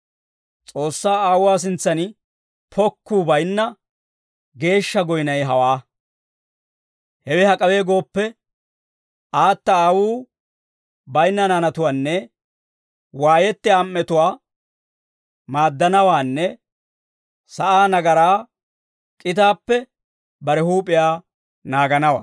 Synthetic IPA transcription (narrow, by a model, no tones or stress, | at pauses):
t͡sʼo̞ːsːaːaːwʊwaːs̬ɪnt͡sːɐnɪ | pʰɔkːuːbɐjnːɐ | ɡe̞ːʃːɐɡɔjnɐjɦɐwaː | hɛwɪhɐkʼɐwe̞ːɡo̞ːpːɛ | ʔaːt̪ːɐaːwuː | bɐjnːɐnaːnɐt̪ʊwaːnːɛ | waːjɛt̪ːɪamːɛt̪ʊwaː | maːd̪ːɐnɐwaːnːɛ | sɐʔaːnɐɡɐɾaː | kʼɪt̪aːpːɛ | bɐɾɛhuːpʼːɪjaː | naːɡɐnɐwa̰ː